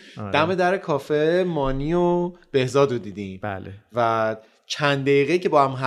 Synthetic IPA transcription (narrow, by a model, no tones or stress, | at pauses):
d̪̥æme̞d̪æɾekʰɒːfemɒːniːob̥e̞hzɒːd̪ɾod̪iːd̪ĩːmbæ̰lḛvæ | t͡ʃʰænd̪̚d̪æiːɣeiːcʰe̞bɒːhæmɦæ